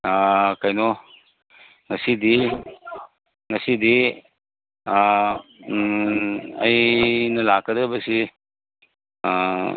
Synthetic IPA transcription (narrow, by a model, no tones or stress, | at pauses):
akajnɔ | ŋɐsidi | ŋɐsidi | ɐjnɐlakədɐbəsi